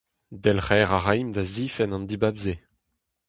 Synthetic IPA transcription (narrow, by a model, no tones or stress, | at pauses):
d̪ɛlχɛːʁaʁajmd̪aziːfɛnɑ̃nd̪ibabze